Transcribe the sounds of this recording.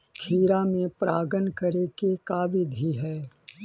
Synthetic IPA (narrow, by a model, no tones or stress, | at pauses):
kʰiːɾamẽpɾaːɡənkɐɾekekaːʋɪd̪ɦiɦɛː